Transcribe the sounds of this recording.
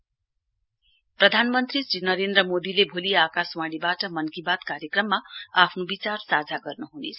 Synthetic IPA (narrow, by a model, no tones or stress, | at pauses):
prʌd̪ʱanmʌnt̪risɾinʌɾend̪ɾrʌmod̪ilebʱoliakaswãɽibaʈʌmʌnkibat̪kaɾjʌkrʌmːaapʰnobit͡sarsad͡zʱaɡʌrnuɦunḛt͡sʰʌʌ